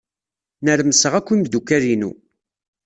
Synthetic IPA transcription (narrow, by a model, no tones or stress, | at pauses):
nəɾməsəʁækʷːimd̪ukːæɾinṵ